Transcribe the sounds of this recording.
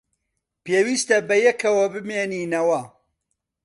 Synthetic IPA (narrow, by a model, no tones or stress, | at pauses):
peːwiːst̪ɐbɐjɛkʰɐwɐbɨmeːniːnɐwɐ